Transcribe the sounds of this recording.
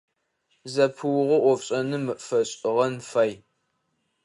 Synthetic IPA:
zɐpʰɨwʊʁʷɔʔʷɔfɕʼɐnɨmɨʔfɐɕʼɪʁɐnfɐj

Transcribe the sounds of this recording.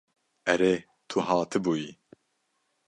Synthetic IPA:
ɛɾeː | t̪ʰuɦɑːt̪ʰɨbuːji

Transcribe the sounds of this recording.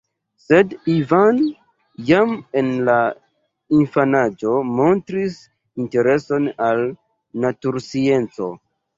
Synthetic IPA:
se̞divan | jamenla | infanad͡ʒo̞mo̞ntɾis | inte̞ɾe̞so̞nal | natuɾsie̞nt͡so̞̰

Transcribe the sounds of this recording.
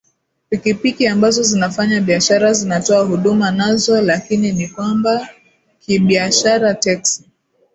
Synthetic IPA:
pikipikiambazɔzinafaɲaɓiaʃaɾazinatɔaɦuɗumanazɔlakininikwamba | kiɓiaʃaɾatɛksi̥

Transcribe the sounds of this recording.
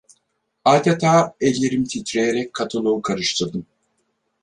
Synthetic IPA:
aːd̪et̪ʰaːɛlʲːeɾimt̪ʰit̪ɾejeɾɛc̚ʲkʰːat̪ʰɯlˠokʰaɾɯʃt̪ʰɯɾd̪ɯm

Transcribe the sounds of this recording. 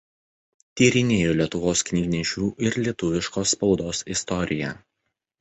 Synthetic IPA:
t̪ʲiːɾʲɪnʲeːjoːlʲiɛt̪ʊʋoːsknʲɪɡʲnʲɛʃʲuːʔɪɾlʲiɛt̪ʊʋʲɪʃkoːsːpɒʊd̪oːsɪst̪ɔɾʲɪjɛ

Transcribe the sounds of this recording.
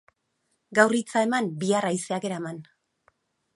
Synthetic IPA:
ɡawrit͡sae̞mambiarajseake̞ɾaman

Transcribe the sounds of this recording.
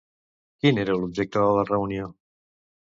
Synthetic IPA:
kineɾəlub̚ʒek̚t̪əðələrəunio

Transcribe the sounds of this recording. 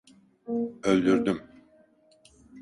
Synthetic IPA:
ølʲd̪yɾd̪ym

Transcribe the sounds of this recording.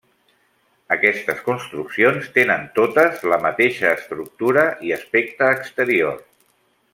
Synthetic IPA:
əkɛst̪əskunst̪ɾuksionst̪enənt̪ot̪əzləmət̪eʃəːst̪ɾuk̚t̪uɾəʔiəspek̚t̪əːkst̪əɾior

